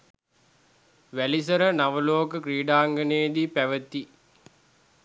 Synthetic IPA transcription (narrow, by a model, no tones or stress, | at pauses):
ʋælisəɾənaʋəloːkəkɾiːɖaːŋɡəneːd̪ipæʋət̪i